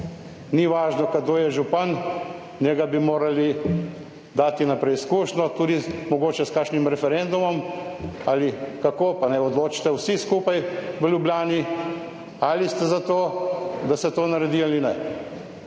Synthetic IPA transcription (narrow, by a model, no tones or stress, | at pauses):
niʋaːʒnɔkad̪oːjɛʒupan | nɛɡabimoːɾali | d̪aːt̪inapɾɛiskuːʃnɔt̪uːd̪imɔɡoːt͡ʃɛskaːkʃnimɾɛfɛɾend̪umɔmalikakoːpanɛɔd̪loːt͡ʃi̥t̪ɛwsiskuːpajʋəljubljaːni | alist̪ɛzat̪oːd̪asɛt̪oːnaɾɛd̪ialinɛ